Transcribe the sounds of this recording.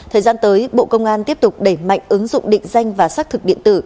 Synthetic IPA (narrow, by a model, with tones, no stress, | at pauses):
t̪ʰəː˨˩jzaː˧nt̪əː˨˦jɓo̰˧˨kə˧wŋ͡mʔaː˧nt̪i˦˥əp̚t̪ʊ˨˩k͡p̚ɗe˧˩ma̰˧˨jŋ̟ʔɨ˨˦ŋzʊ̰˧˨ŋ͡mɗḭ̈˧˨ŋ̟za˧jŋ̟vaː˨˩saː˦˥k̚t̪ʰɨ˨˩k̚ɗḭ˧ənt̪ɨ˧˩